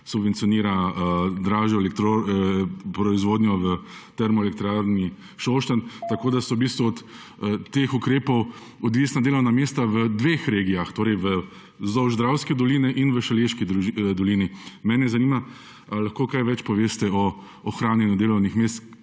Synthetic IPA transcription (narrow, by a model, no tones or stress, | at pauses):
subʋɛnt̪sijɔniːɾad̪ɾaːʒjɔɛlɛk̚t̪ɾo | pɾɔizʋoːd̪njɔʋə | t̪ɛɾmɔɛlɛk̚t̪ɾaːɾni | ʃɔʃt̪ant̪akoːd̪asɔwbist̪ʋuɔt̪ː | exukɾeːpɔw | ɔd̪ʋiːsnad̪eːlɔwnamest̪aʋəd̪ʋeːxɾeːɡijaxt̪oːɾɛjʋə | zɔwʒd̪ɾawskɛd̪ɔliːnɛʔinʋəʃɛleʃkid̪ɔliːnimɛːnɛzaniːma | alaxkoːkajʋɛt͡ʃpɔʋeːst̪ɛɔː | xɾaːnjɛnjud̪eːlɔwnixmeːst̪